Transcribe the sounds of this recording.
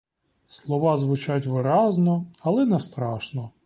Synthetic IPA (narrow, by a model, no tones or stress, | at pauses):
slˠɔʋɑzʋʊt͡ʃatʲʋɪɾɑznɔɐlˠɛnɛst̪ɾɑʃnɔ